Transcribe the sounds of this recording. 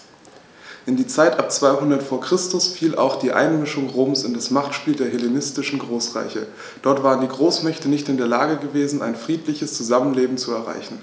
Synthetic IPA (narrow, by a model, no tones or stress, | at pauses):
ʔɪndiːt͡saɪtʔap̚t͡sv̥aɪɦʊndɐtfoːɐkʁ̥ɪstʊsfiːlʔa̰ʊxd̥iːʔa̰ɪnmɪʃʊŋʁoːmsɪndasmaχtʃpiːldeːɐɦelenɪstɪʃn̩ɡʁoːsʁ̥a̰ɪçə̰ | d̥ɔɐtv̥aːʁəndiːɡʁoːsmɛçtənɪçtɪndeːɐlaːɡəɡəveːzn̩ʔa̰ɪnfʁ̥iːtlɪçəst͡suzamənleːbm̩t͡suɛɐʁa̰ɪçn̩